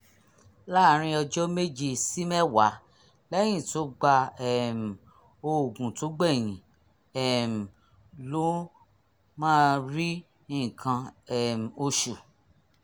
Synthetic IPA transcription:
la˦˨ɾ̃ĩ˧ɔ˧d͡ʒɔ˦me˦d͡ʒi˨si˦mɛ˦˨wa˨˦ | lɛ˦j̃ĩ˦˨to˨˦ɡ͡ba˧ɛ˨m˨ | o˧˨ɡũ˨to˨˦ɡ͡bɛ˦˨j̃ĩ˨˦ | ɛ˨m̩˨ | lo˦ | mãː˦˧ɾi˦ | ĩ˦˨kʰã˧ɛ˦˨m˨o˧ʃu˨

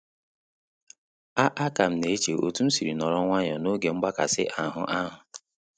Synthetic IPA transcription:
a˦ʔa˦ka˨m̩˨ne˨˦t͡ʃe˨o̰˨tu˦n̩˦si˨ɾi˨nɔ˨ɾɔ˦ŋʷa˦ɲɔ˨no˦ɡe˨ŋ͡m̩˦ɡ͡ba˦ka˨sɪ˦ʔa˨ɦʊ̰˦ʔa˦ɦʊ˨

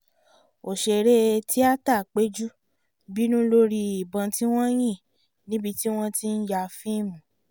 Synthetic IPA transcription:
o˨ʃe˨ɾe˦˧tʰi˦a˦ta˦˨k͡pe˦d͡ʒu˦ | bi˦nũ˦lo˧ɾi˧i˨bã˨˧ti˦w̃ɔ̃˦j̃ĩ˦˨ | nĩ˦bi˧ti˦w̃ɔ̃˧ti˧n̩˦ja˧fĩ˦˨mũ˨

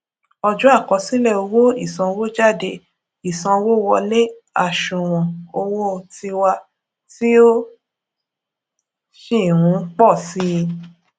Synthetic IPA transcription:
ɔ˧d͡ʒu˦a˦˨kɔ˨˧sĩ˦lɛ˦˨o˧wo˦i˦˨sɔ̃˧wo˦d͡ʒa˦˨de˧ | i˦˨sɔ̃˧wo˦wɔ˧le˦ | a˦˨ʃũ˨w̃ɔ̃˨o˧wo˦˧˨ti˧wa˧ | ti˦o˦ | ʃi˦˨ɾ̃ũ˨˦k͡pɔ˦˨si˦˧

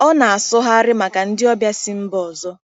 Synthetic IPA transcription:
ɔ˦na˨a˨sɔ˦ɦa˦a˦ɾɪ˦ma˨ka˨n̩˦dɪ˦ɔ˦bja˦sɪ˦m̩˦bɔ˨zɔ˦

